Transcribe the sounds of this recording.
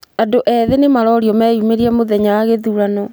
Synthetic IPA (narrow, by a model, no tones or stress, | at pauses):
adoʔɛðenemaɾɔɾiɔmɛjumeɾiamoðɛɲawaɣeðuɾanɔ